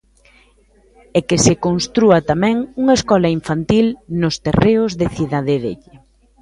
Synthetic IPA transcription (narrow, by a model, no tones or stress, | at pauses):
ɛkesekonst̪ɾuɐt̪amɛ̃ŋuŋɐeskɔlɐiɱfant̪ilnʊst̪ereʊzðeθiðaðeðḛʎɪ